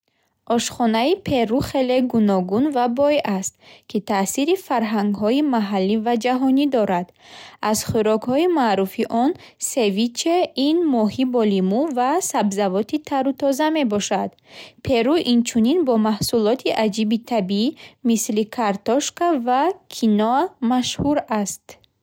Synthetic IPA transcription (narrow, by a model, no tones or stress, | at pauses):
ʔɔʃχɔnaipʰe̞ɾuχe̞le̞ɡunɔɡunvabɔjast̪kʰit̪ʰasiɾifaɾɦaŋɡɦɔimaɦalːivad͡ʒaɦɔnid̪ɔɾad̪̥az̥χuɾɔkhɔimaːɾufiʔɔn | se̞vit͡ʃʰeinmɔɦibɔlimuvasabzavɔt̪ʰit̪ʰaɾut̪ʰɔzame̞bɔʃad̪pʰe̞ɾuʔint͡ʃʰuninbɔmahsulɔt̪ʰiʔad͡ʒibit̪ʰabiimislikʰaɾt̪ɔʃkavakʰinɔamaʃhuɾast̪